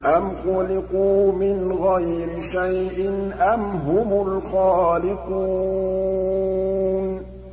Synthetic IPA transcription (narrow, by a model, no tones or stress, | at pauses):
ʔamxʊlɪquːmɪnɣajɾɪʃajʔɪnʔamɦʊmʊlxaːlɪquː | n